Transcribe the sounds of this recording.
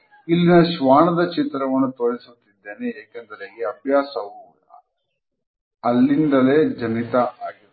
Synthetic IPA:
ilːinɐʃʋaːɳɐd̪ɐt͡ʃit̪ɾɐʋɐnːut̪o̞ːɾisut̪ːid̪ːe̞ːneːkend̪ɐɾeiɐbʱjaːsɐu | ɐlːind̪ɐle̞ːd͡ʒɐnit̪ɐʔaːɡi

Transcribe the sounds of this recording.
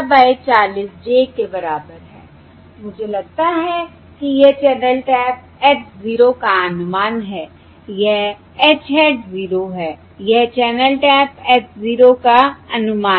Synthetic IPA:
baːt͡ʃaːliːsd͡ʒekebɐɾaːbəɾɦɛː | mʊd͡ʒʱelɐɡ̚t̪aɦɛ | kijet͡ʃɛːnəlʈɛːp̚ɛːʈziːɾokaənʊmaːnɦɛː | jɛɦ | ɛːt͡ʃʰɛːʈziːɾoɦɛː | jɛɦt͡ʃɛːnəlʈɛːpɛːʈziːɾokaɐnʊmaː

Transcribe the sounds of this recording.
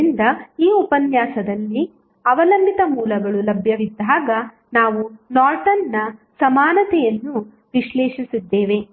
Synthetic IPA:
ind̪ɐiːupɐnjaːsɐd̪ɐlːi | ɐʋɐlɐmbit̪ɐmuːlɐɡɐɭulɐbʱjɐʋid̪ːaːɡɐ | naːʋunaːɾʈɐnːɐsɐmaːnɐt̪ɛjɐnːu | ʋiʃlɛːʂisid̪ːeːʋe̞

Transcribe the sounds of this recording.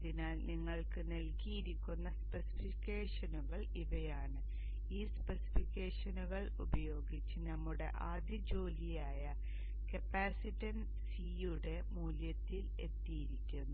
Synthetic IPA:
ðinaːlniŋːɐɭkɨnɐlkijiɾikʲːunːɐspesi̥fikʲːeːʂɐnuɣɐɭ | iʋɐjaːɳɨ | iːspesi̥fikʲːe̞ːʂɐnuɣɐɭṵbɐjo̞ːɡit͡ɕːɨnɐmːuɽe̞̰ʔaːd̪jɐd͡ʑo̞ːlijaːjɐ | kɐpːaːsiʈːɐn | si | uɽe̞muːljɐt̪ːile̞̰t̪ːijiɾikʲːunːu

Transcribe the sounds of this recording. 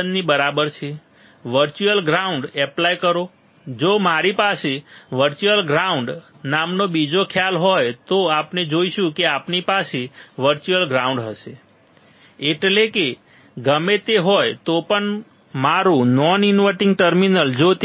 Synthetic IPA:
ənnibəɾabəɾt͡ʃʰe | ʋəɾt͡ʃuəlɡɾauɳɖɛplajkəɾo | d͡ʒomaɾipaseʋəɾt͡ʃuəlɡɾauɳɖ | namnobid͡ʒokʰjalɦojt̪oapned͡ʒoiʃũkeapnipaseʋəɾt͡ʃuəlɡɾaũɳɖɦəʃe | eʈleke | ɡəmet̪eɦojt̪opəɳ | maɾũnɔninʋəʈiŋɡ̚ʈəɾminəld͡ʒot̪

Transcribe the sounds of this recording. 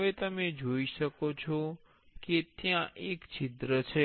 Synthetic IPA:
ʋet̪əmed͡ʒoiʃəkot͡ʃʰɔ | ket̪jãʔekt͡ʃit̪ɾət͡ʃʰe

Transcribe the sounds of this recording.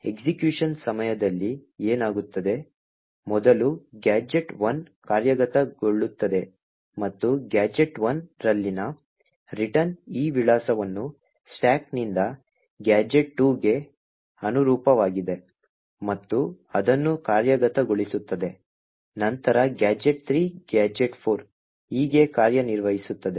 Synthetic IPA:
eksikjuːʂɐnsɐmɐjɐd̪ɐlːieːnaːɡut̪ːɐd̪e̞ | mɔd̪ɐluɡaːd͡ʒe̞ʈʋɐn | kaːɾjɐɡɐt̪ɐɡoɭːut̪ːɐd̪e̞ | mɐt̪ːuɡaːd͡ʒe̞ʈʋɐnɾɐlːinɐ | ɾiʈɐniːʋiɭaːsɐʋɐnːu | sʈaːk̚nind̪ɐ | ɡjaːd͡ʒe̞ʈ̚ʈuːɡe̞ | ɐnuɾuːpɐʋaːɡid̪e̞ | mɐt̪ːu | ɐd̪ɐnːukaːɾjɐɡɐt̪ɐɡoɭisut̪ːɐd̪e | nɐnt̪ɐɾɐɡjaːd͡ʒe̞ʈ̚t̪ɾiːɡaːd͡ʒeʈpʰoːɾ | iːɡe̞kaːɾjɐniɾʋɐɦisut̪ːɐd̪e̞

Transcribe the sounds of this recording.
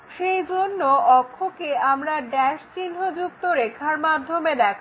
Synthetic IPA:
ʃejd͡ʑonːoɔkʰːokeamɾaɖɛʃt͡ɕinɦod͡ʑuk̚t̪oɾekʰaɾmad̪ʱːomed̪ɛkʰ

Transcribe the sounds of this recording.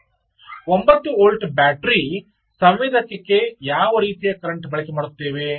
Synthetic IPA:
ombɐt̪ːuoːlʈbaːʈɾi | sɐmʋid̪ʱɐkːekːejaːʋɐɾiːt̪ijɐkɐɾɐɳʈbɐɭɐkemaːɽut̪ːeːʋe

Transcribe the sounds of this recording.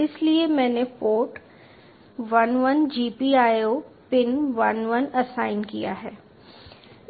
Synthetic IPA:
ɪsliemɛ̃ːnepoːʈ | ʋɐnʋənd͡ʒiːpiaːjopɪnʋɐnʋɐnɐsaːɪnkija̰ɦɛː

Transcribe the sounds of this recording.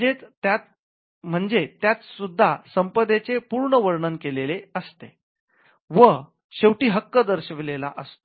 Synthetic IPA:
et̪jat̪ | m̤əɳd͡zet̪jat͡s̪sud̪ʱːasəmpəd̪et͡sepuɾɳəʋəɾɳənkeleleəst̪e | ʋə | ɕewʈiːɦəkːəd̪əɾɕəʋilela̰ʔəst̪o̥

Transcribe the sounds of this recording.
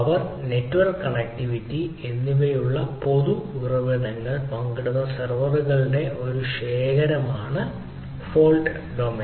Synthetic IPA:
ɐʋɐrnetːʋɐrkːɐɳɐk̚ʈiʋitːienːiʋejuɭːɐpo̞ðuirɐʋɐðɐŋːɐɭpɐŋɡɐɽuðɐsɐrʋɐruɣɐɭiɽe̞ʔo̞ɾuɕeːɣɐɾɐmaːɳɨ | foːlɖ | ɖoːme

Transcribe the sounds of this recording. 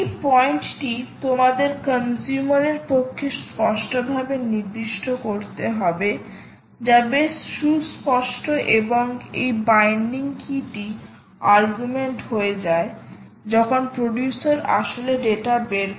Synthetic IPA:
ejpɔjɳʈʈit̪omad̪eɾkənsumaɾeɾpokʰːespɔʃʈobʱabeniɾd̪iʃʈʰokoɾt̪eɦɔbe | d͡ʑabeʃuspɔʃʈoʔeboŋḛjbajnɖiŋkʰiʈi | aɾɡumeɳʈɦoed͡ʑae | d͡ʑɔkʰonpɾoɖjusaɾa̰ʃoleɖeʈabeɾ

